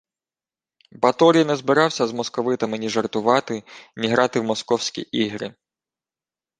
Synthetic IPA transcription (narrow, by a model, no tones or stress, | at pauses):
bɐt̪ɔɾʲijnɛzbɪɾɑwsʲɐzmɔskɔʋɪt̪ɐmɪnʲiʒɐrt̪ʊʋɑt̪ɪnʲiɦɾɑt̪ɪwmɔskɔwsʲkʲḭʔiɦɾɪ